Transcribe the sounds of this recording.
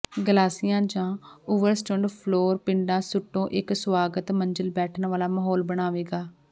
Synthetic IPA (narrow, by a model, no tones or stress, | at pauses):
ɡəlaːsɪjãːd͡ʒãːʊʋəɾsʈõːɳɖpʰloːɾpɪ̃ɳɖãːsʊʈːõːʔɪkswaːɡət̪məɲd͡ʒəlbɛːʈʰnʋaːlaːməɦɔːlbəɽ̃aːʋeːɡaː